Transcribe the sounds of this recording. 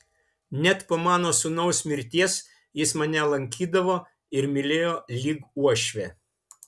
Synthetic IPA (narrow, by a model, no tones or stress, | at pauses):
nʲɛt̪pomɑːnoːsʊnɐʊsmʲɪɾʲt̪ʲiɛs | jɪsmɐnʲɛlˠɐŋʲkʲiːd̪ɐʋoː | ɪɾmʲɪlʲeːjoːlʲiːɡuɔʃʲʋʲeː